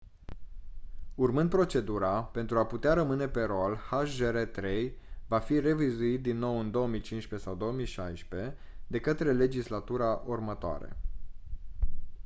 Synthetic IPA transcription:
urmɨnd̪̚pɾo̞t͡ʃe̞d̪uɾape̞nt̪ɾuaput̪eaɾəmɨne̞pe̞ɾolhaʃʒeɾet̪ɾe̞jvafire̞vizuit̪̚d̪inːo̞wɨnd̪o̞omijt͡ʃinʃpe̞sawd̪o̞omijʃajʃpe̞ | d̪e̞kət̪ɾe̞le̞d͡ʒislat̪uɾaʔurmət̪oa̰ɾḛ

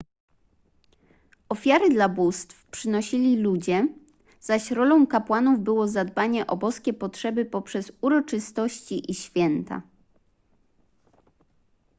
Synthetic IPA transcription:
ɔfʲjaɾɘd̪labust̪fpʂɘnɔɕilʲilud͡ʑɛ | z̥aɕɾɔlɔ̃w̃kapwanuvbɘwɔzad̪baɲɛʔɔbɔskʲɛpɔtʂɛbɘpɔpʂɛzuɾɔt͡ʂɘst̪ɔɕt͡ɕiʔiɕfʲjɛnt̪a̰

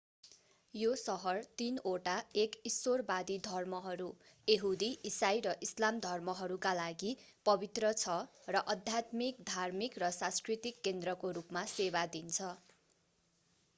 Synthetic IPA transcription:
josʌɦʌrt̪inoʈaekisorbad̪id̪ʱʌrmʌɦʌɾu | eɦud̪iʔisajɾʌʔislamd̪ʱʌrmʌɦʌɾukalaɡi | pʌbit̪rʌt͡sʰʌrʌʔʌd̪ʱjat̪mikd̪ʱarmikrʌsãnskrit̪ikːend̪rʌkoɾupmasebad̪int͡sʰʌ

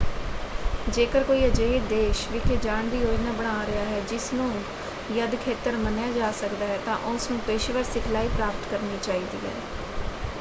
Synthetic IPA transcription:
d͡ʒeːkəɾkoːiːəd͡ʒeːid̪eːʃʋɪkʰed͡ʒaːɳd̪iːoːd͡ʒnaːbəɽ̃aːɾɪɦaːɦɛːd͡ʒɪsnũː | jəd̪kʰeːt̪əɾmənjaːd͡ʒaːsəkd̪aːɦɛːt̪ã̰ːʔʊsnũːpeːʃeʋəɾsɪkʰlaːiːpɾaːpʰəʈ̪kəɾniːt͡ʃaːiːd̪ḭːɦɛ̰ː

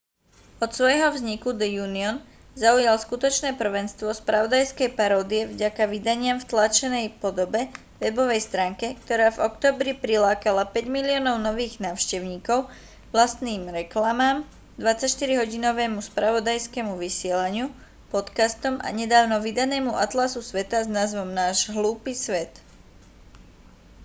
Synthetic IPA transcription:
ɔt̪sʋɔjɦɔvzɲikud̪ɛjuːniɔn | zaujalskut̪ɔt͡ʃnɛːpr̩ʋɛnst̪ʋɔspɾaʋɔd̪ajskɛjpaɾɔːd̪iɛvɟakaʋid̪aɲɪamft̪lat͡ʃɛnɛjpɔd̪ɔbɛ | ʋɛbɔʋɛjst̪ɾaːŋkɛk̚t̪ɔɾaːvɔkt̪ɔːbɾipɾilaːkalapɛɟmiliɔːnɔʊnɔʋiːɣnaːʊʃcɛʊɲiːkɔʊ | ʋlast̪niːmɾɛklamaːm | d̪ʋat͡sacʃt̪iɾiɦɔɟinɔʋɛːmuspɾaʋɔd̪ajskɛmuʋisɪɛlaɲɪu | pɔt̪kast̪ɔmʔa̰ɲɛd̪aːʊnɔʋid̪anɛːmuʔat̪lasusʋɛt̪aznaːzʋɔmnaːʒɦluːpiːsʋɛt̪

